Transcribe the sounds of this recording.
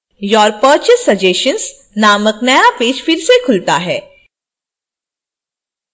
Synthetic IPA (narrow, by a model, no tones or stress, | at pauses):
jɔːɾpəːɾt͡ʃesːɐd͡ʒeːʃə̃ns | naːməknɐjapeːd͡ʒfɪɾsekʰʊlt̪aɦɛː